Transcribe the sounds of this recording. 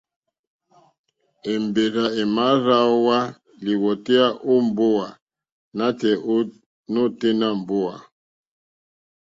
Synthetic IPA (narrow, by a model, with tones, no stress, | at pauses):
e˨m˨be˨ɾa˨e˨ma˨˦ɾa˦wa˦ | li˨wɔ˨te˦a˦ʔo˦m˨bo˦wa˨ | na˦tɛ˨ʔo˦ | no˦te˦na˦˨m̩˨bo˦wa˨